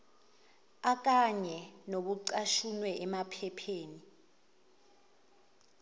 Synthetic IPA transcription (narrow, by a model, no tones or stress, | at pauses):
ak̬ʼaɲɛnoɓuǀaʃunwɛʔɛmapʰɛpʰeːni